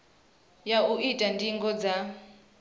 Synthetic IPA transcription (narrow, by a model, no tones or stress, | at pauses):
jauitʼandiŋɡɔd͡za